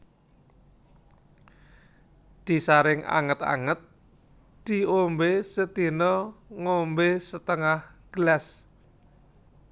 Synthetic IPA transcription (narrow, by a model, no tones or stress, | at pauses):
d̪̥i̤saɾɪŋa̰ŋət̪a̰ŋət̪̚ | d̪̥i̤ombesət̪inɔŋombesət̪əŋahɡ̥lɛs